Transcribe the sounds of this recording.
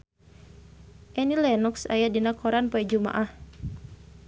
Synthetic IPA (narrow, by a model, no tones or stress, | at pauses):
ʔɛnilɛnuksa̰jadinakʰɔɾanpɔɛd͡ʒuma̰ʔah